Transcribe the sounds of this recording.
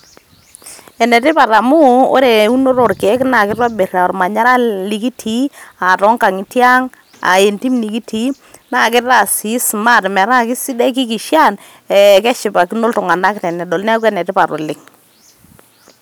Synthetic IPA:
ɛ˨nɛ˨tɪ˦pa˨ɾa˨mu˦o̰˦ɾe˨u˦no˦ɾo˨rkɛ˨˦kna˨kɪ˦rwa˦be˨ra˨ɔ˨ɾma˨ɲa˦ɾa˦li˨˦ki˦tʰi˨˦a˨tɔ˨˦ŋka˨ŋɪ˨tja˦ŋ | a̰˨e˨nti˦mni˨ki˦tʰi˨˦ | na˨kɪ˦ra˨si˨˦sma˦˨tmɛ˨ɾa˦kɪ˦si˦dɛ˦ki˦ki˨ʃja˦˨n | ɛ˨kɛ˦ʃɪ˨pa˨ki˦no˦ltʊ˨ŋa˨na˦ktɛ˨nɛ˨dɔ˨lnɛ˦k̬wɛ˨nɛ˨tɪ˦pa˨ɾo˨lɪ˦ŋ

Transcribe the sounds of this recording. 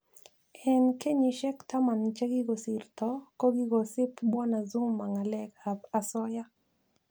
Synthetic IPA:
ɛ˨nke˦ɲi˨ʃɛ˦kt̪a˦ma˨nt͡ʃe˦ɡi˦ɡɔ˨si˨rt̪ɔ˦kɔ˦ɡi˦ɡɔ˨sɪ˦pbɔ˦na˨zu˦mːa˨ŋa˨lɛ˦ka˨ba˨sɔ˦ja˦

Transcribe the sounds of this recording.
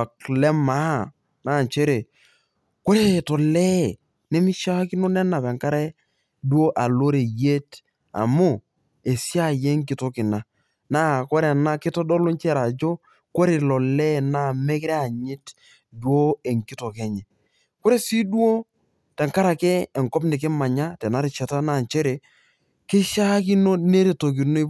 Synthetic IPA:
a˨klɛ˦ma˦˨ | na˦˨t͡ʃe˦ɾe˨ | ko˦ɾe˦˨˦tɔ˨lɛ˦ | ne˦mi˦ʃa˦kɪ˦no˦nɛ˦na˨pɛ˨ŋka˦ɾɛ˦ | do˦ʔa˨lo˦ɾe˨je˦t | a̰˨mʊ˦˨ | e˨si˦a˦˨je˦ŋk̬ɪ˨to˦kɪ˨na˨ | na˦˨ko˦ɾe˨na˦kɪ˦tɔ˦dɔ˦lo˦nt͡ʃɛ˦ɾa˨d͡ʒo˦ | ko˦ɾe˨lɔ˨lɛ˦˨na˦˨me˦kɾɛ˦a˨ɲɪ˦t | dwo˦e˨ŋkɪ˦to˨kɛ˨˦ɲɛ˨ | kʊ˦ɾe˦si˦du˦o˦ | tɛ˨ŋka˦ɾa˨kɛː˦˨ŋkɔ˦pnɪ˨k̬ɪ˦ma˨ɲa˦tɛ˨na˦ɾɪ˨t͡ʃɛ˨ta˦na˦˨nt͡ʃɛ˦ɾe˨ | kɪ˦ʃa˦kɪ˦no˦ne˦ɾe˨to˨k̬ɪ˨no˦ɪ˦

